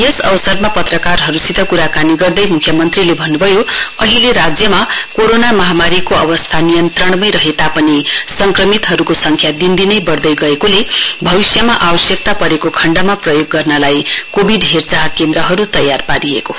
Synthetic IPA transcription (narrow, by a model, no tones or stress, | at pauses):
jesʌbʌsʌrmapʌt̪rʌkarɦʌɾusit̪ʌkuɾakaniɡʌrd̪ʌjmukʰjʌmʌnt̪rilebʱʌnːubʱʌjoʌɦileɾad͡zjʌmakoɾonamʌɦamaɾikoʌbʌst̪ʰanijʌnt̪rʌɽ̃mʌjɾʌɦet̪apʌnisʌŋkrʌmit̪ɦʌɾukosʌŋkʰjad̪ind̪inʌjbʌrd̪ʌjɡʌekolebʱʌwisjamaʔabʌsjʌk̚t̪apʌɾekokʰʌɳɖamaprʌjoɡːʌrnʌlajkobʱiɖɦert͡saɦkend̪ɾʌɦʌɾut̪ʌjːarpaɾieko